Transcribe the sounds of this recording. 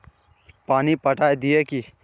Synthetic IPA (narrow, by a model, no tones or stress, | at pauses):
paːnipəʈaːjd̪ijeki